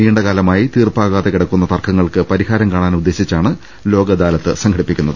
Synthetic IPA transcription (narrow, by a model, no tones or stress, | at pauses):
iːɳɖɐkaːlɐmaːjit̪iːrpaːɣaːðekiɽɐkːunːɐt̪ɐrkʰːɐŋːɐɭkɨpɐɾihaːɾɐmkaːɳaːnud̪ːe̞ːɕit͡ɕːaːɳɨ | lo̞ːɡɐd̪aːlɐt̪ːɨsɐŋɡɐɽipːikʲːunːɐðɨ